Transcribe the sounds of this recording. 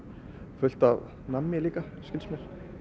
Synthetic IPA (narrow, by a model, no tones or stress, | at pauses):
fʏl̥t̪av | namːjɪliːka | skɪlsmɛl̥